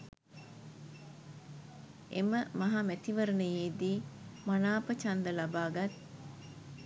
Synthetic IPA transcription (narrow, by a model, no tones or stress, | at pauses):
ʔeməmɐɦamæt̪iʋɐɾənejeːd̪iːmɐnaːpət͡ʃɐnd̪ɐlɐbaːɡɐt̪